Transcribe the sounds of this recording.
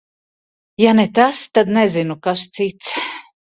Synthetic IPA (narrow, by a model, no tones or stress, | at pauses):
janet̪ast̪ad̪nɛzinukast̪sit̪s